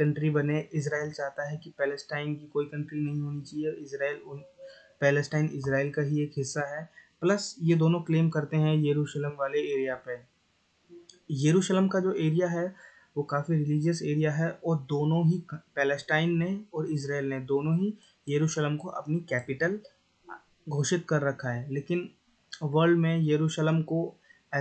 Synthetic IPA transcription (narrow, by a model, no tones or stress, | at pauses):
kɐ̃ɳʈɾibɐneɪs̬ɾaːelt͡ʃaːɦt̪aɦɛkipɛːləsʈaːɪnkikoːikɐ̃ɳʈɾinɐɦĩɦoːnit͡ʃaːieɪsɾaːel | pɛːləsʈaːɪnɪs̬ɾaːɪlkaɦieːkɦɪsːaɦɛplɐsjed̪oːnõkleːmkɐɾt̪eɦɛ̃jeɾuːʃləmʋaːleeːɾijape | jeɾuːʃələmkad͡ʒoːʔeːɾijaɦɛ | ʋoːkaːfiɾɪliːd͡ʒəseːɾijaɦɛɔːɾd̪oːnõɦipɛːləsʈaːɪnːeɔːɾɪs̬ɾaːeːlned̪oːnõɦi | jeɾuːʃələmkoʔɐ̰pnikɛːpɪʈəl | ɡʱoːʃɪt̪̚kɐɾːɐkʰaɦɛːleːkɪn | ʋəɾɖmẽjeɾuːʃələmko | ɛ